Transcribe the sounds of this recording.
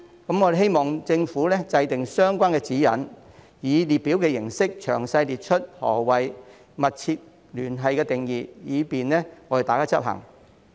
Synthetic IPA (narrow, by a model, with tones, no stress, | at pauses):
kɐ˨˥mɔ˨˧ɾe˨˩ɦe˥jmɔː˨˩ŋt͡sɪ˧ŋfu˨˥lɛː˥t͡sɐ˧jt̪ɪ˨ŋsœː˥ŋkʷaː˥nkɛ˧t͡siː˨˥jɐ̰˨n | jiː˨˧liː˨t̚piː˨˥wkɛː˧jɪ˨˩ŋsɪ˥k̚t͡ʃʰœː˨˩ŋsɐ˧jliː˨t̚t͡ʃʰɵ˥t̚hɔ̰ː˨˩wɐ˨j | mɐ˨t̚t͡sʰiː˧t̚ | lyː˨˩nɦɐ˨jkɛː˧t̪ɪ˨ŋjiː˨jiː˨˧piː˨nɛː˥ŋɔː˨˧˥e˨t̪aː˨˩kaː˥t͡sɐ˥p̚ɦɐ̰˨˩ŋ